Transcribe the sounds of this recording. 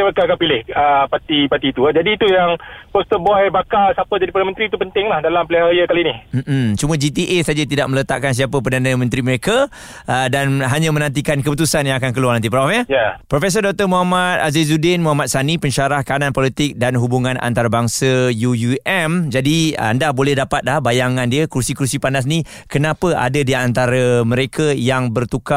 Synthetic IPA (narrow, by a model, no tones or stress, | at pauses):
əbəkakanpilɪhəpat̪ipat̪it̪uad͡ʒadiːt̪ujaŋpɔst̪əbajbakalsapəd͡ʒadipəɾdanəmə̃nt̪ɾiːt̪upənt̪ɪŋlahdalampleajəkalinihm̩m̩t͡ʃuməd͡ʒit̪iʔesad͡ʒat̪idaʔmələt̪a̰ʔkans̬iapəp̬ərdanə̃mə̃nt̪ɾiməɾeka | ʔədanɦaɲãmə̃nãnt̪̬ikankəput̪usanjaŋakankəluarnant̪ipɾawafɲəjapɾofes̬ərdɔk̚t̪ərmuɦamat̪̚azizudɪnmuɦamat̪̚sanipəɲʃaɾahkanãnpɔlit̪ɪk̚danɦubuŋãna̰nt̪aɾabaŋsəjujuʔɛmd͡ʒadia̰ndahbolɛhdapat̪̚lahbajaŋãndiəkursikɾursipandas̬ni | kənãpəʔa̰dadiant̪aɾəmə̃ɾekʰajaŋbərt̪uka